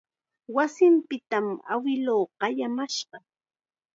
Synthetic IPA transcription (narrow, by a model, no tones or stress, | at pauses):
wasɪmpɪt̪ama̰wɪloːɢɑjamaʃɢɑ